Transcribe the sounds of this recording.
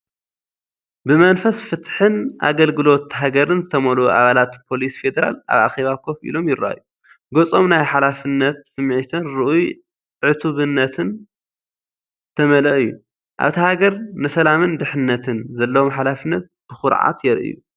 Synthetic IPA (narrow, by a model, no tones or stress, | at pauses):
bɨmɐnfɐsfɨt̪ħɨnʔa̰ɡɐlɡɨlo̞t̪ɦaɡɐɾɨnzɨt̪ʰɐmɐluʔaβalat̪pʰo̞lisfed̪ɐɾa̰la̰βa̰xeβakʰo̞fḭlo̞mjɪɾa̰ju | ɡot͡sʼomnajħalafɨnːɐt̪sɨmʕit̪ʰɨnɾɨʔuj | ʕɨt̪ʰuβɨnːɐt̪ʰɨn | t̪ʰɐmɐlɐʔɨjːu | ʔa̰βt̪ʰihaɡɐɾnɨsɐlamɨnd̪ɨħɨnːɐt̪ʰɨnzɐlːɐwomħalafɨnːɐt̪̚b̥ɨxʊɾʕa̰t̪jɛɾʔɨ̰ju